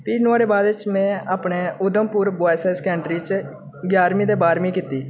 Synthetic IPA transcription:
piːnʊaːɾeːbaːd̪t͡ʃmɛ̃ːʔaːpɳeːʊd̪əmpʊːɾbaːsɛːskɛ̃ːɳʈɾiːt͡ʃ | ɡjaːɾmĩːd̪eːbaːɾmĩːkɪt̪iː

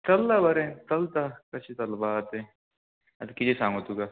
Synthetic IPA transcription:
t̪ɐlːabɐɾẽt̪ɐlt̪akɐt͡ʃʰit̪ɐlbat̪ẽ | ɐd̪kid͡ʒesãːŋot̪uka

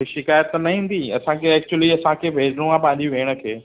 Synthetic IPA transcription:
ʃɪkaːjət̪nɐɦĩːn̆d̪iɐ̰sãkʰeɛːk̚t͡ɕuəliɐsãkʰeːbʱeːd͡ʑɽũãpɐ̃ɦɪ̃ɲd͡ʑũʋeːɽ̃ə̆kʰeː

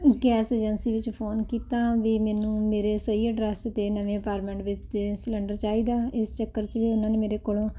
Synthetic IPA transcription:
ɡɛːseːd͡ʒənsiːʋɪt͡ʃpʰoːnkiːt̪ãːʋiːmɛːnũːmeːɾeːsəieɖɾɛːst̪eːnəʋẽːəpaːɾʈmẽːɳʈʋɪt͡ʃeslə̃ɳɖəɾt͡ʃaːiːd̪aːɪst͡ʃəkːəɾt͡ʃʋiːʊnãːneːmeːɾeːkoːlõː

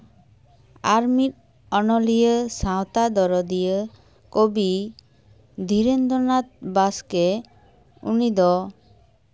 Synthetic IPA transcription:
aɾmiʈ̚ | ɔnɔlijəsãwt̪ad̪ɔɾɔd̪ijə | kobi | d̪ʱiɾend̪ɔnat̪̚baske | ṵnid̪ɔ

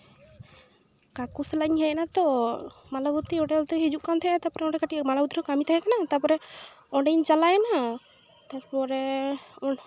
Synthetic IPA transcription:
kakuslaɲhɛjɛnat̪ɔmalabut̪iɔɖɛɔlt̪ɛɦid͡ʒuʔkant̪ʰɛat̪apɔɾɛɔ̃ɖɛkaʈimalabut̪iɾɔkamit̪aɦɛkanat̪apɔɾɛ | ɔ̃ɖɛɲt͡ʃalajna | t̪aɾpɔɾɛɔ

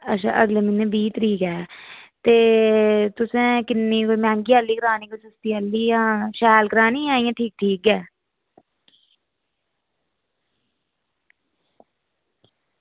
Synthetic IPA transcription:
ətːʃʰa̰ːʔəɡleːmɪnẽbiːt̪ɾiːkɛːt̪eːt̪ʊsẽːkɪnːiːkomɛ̃ːŋɡiːəlːiːkəɾaːniːkosəst̪iːəlːiːjãːʃɛːlkəɾaːnĩːãːĩjãːʈʰiːk̚ʈʰiːkɛː

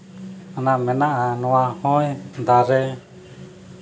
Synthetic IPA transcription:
nãmɛ̃nãʔanũãhɔ̃ĩnd̪aɾe

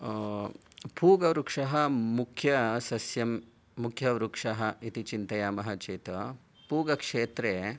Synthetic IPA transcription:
puːɡɐʋɾukʂɐɦɐmukʰjɐsɐsjɐmː | ukʰjɐʋɾukʂɐɦɐit̪it͡ʃint̪ɐjaːmɐɦɐt͡ʃeːt̪ɐ | puːɡɐkʂeːt̪ɾeː

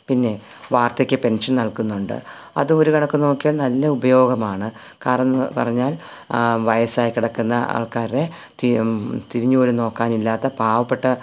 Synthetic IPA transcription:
pinːe̞ | ʋaːrt̪ɐkʲːɨpe̞nʂɐnnɐɭkunːuɳɖɨ̰ | ɐ̰ðɨo̞ɾukɐɳɐkːɨno̞ːkːijɐnɐlːɐubɐjo̞ːɡɐmaːɳɨ | kaːɾɐnːɨpɐ̰rɐɲːaːl | ʋɐjɐsaːjikiɽɐkːunːɐa̰ːɭkaːɾiɾe̞ | t̪it̪iɾiɲːuoːɾuno̞ːkːaːnilːaːt̪ːɐbʱaːʋɐpːe̞ʈːɐ

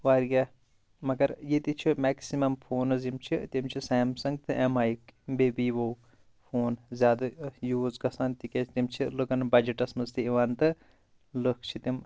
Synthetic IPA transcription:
ʋaːɾɡa | mɐɡɐɾjet̪it͡ʃʰimɛːksimɐmpʰoːnɨzimt͡ʃʰit̪imt͡ʃʰisɛːmsɐŋɡt̪ɨʔemaːjikbebiːʋow | pʰoːnzʲjaːd̪ɐjuːzɡɐsaːnt̪iket͡ʃʰt̪imt͡ʃʰilɨkɐnbɐd͡ʒiʈɐsmɐzt̪iiʋant̪ɨ | lɨkʰt͡ʃʰit̪im

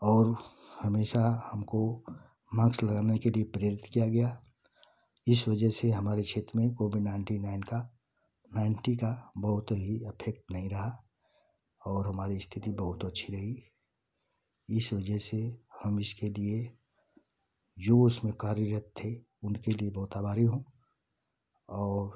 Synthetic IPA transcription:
ɔːɾ | həmeːʃahəmko | mãːksləɡaːnekeliepɾeɾɪt̪kijaɡɐja | ɪswəd͡ʒəseɦɐmaːɾet͡ʃʰeːt̪ɾəmẽkoːbɪɖnaɪɳʈinaɪnka | naɪɳʈikabəɦʊt̪ɦiəpʰek̚ʈnɐɦĩɾɐɦa | ɔːɾɦɐmaːɾist̪ʰɪt̪ibɐɦʊt̪ətːʃʰiɾɐɦi | ɪswəd͡ʒəsehəmɪskelie | d͡ʒoʊsmẽkaːɾəɾət̪ʰːe | ʊnkeliebəɦʊt̪aːbʱaːɾiɦũ | ɔːɾ

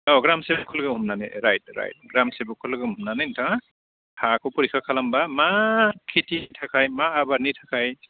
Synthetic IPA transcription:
ɔɡɾamsebkʰːɔlɡɯɦumnanɯɾajt̚ɾa̰jt̚ɡɾamsebukʰɔlɡɯumnanɯjntʰa | hakʰɔpɔɾikʰakʰalambamakʰititʰakʰajmaːbaɾnitʰḁkʰaj

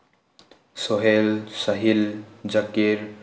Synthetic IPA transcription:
soɦelsəɦild͡ʒəkiɾ

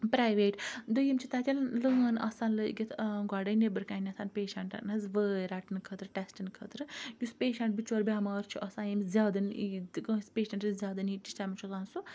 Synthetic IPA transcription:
pɾaːjʋeːʈd̪ojimt͡ʃʰit̪aːt̪ʲɐllənɐ̰saːnlɨɡʲit̪ʰɡaːɖɐnebɨɾkaːnʲɐsʰaːnpeːʃɐɳʈnɐzʋəːɾaʈɨnkʰət̪ɾɨʈesʈinkʰət̪ɾɨjuspeːʃɐɳʈ̚bit͡ʃoːɾbʲaːmaːɾt͡ʃʰiʔɐsãːjimzʲaːd̪ɨniɡspeːʃɐɳʈɨzʲjaːd̪ɐniːt͡ʃi̥st͡ʃaːmit͡ʃʰuzaːnsu

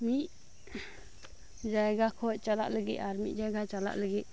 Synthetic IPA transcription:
miʔ | d͡ʒajɡakʰɔʔt͡ʃalaʔləɡit̪aɾmiʔ̪̚ˀd͡ʒajɡat͡ʃala̰ʔləɡit̪̚

